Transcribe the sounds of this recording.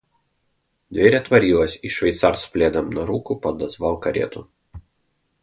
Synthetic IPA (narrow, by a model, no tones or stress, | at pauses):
d̪ʲʋʲeːɾʲɛt̪ʋɐɾʲiːlˠɐsʲiʃʲʋʲɛɪt̪sɑːˑɾspʲlʲeːd̪ɐmnɐɾuːkuˑpɐd̪ɐzʋɑˑʊkɐɾʲḛːt̪ṵ